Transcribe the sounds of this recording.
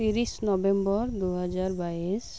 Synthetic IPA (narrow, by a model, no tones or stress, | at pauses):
iɾisnɔbɛmbɔɹd̪uɦɛzaɹbais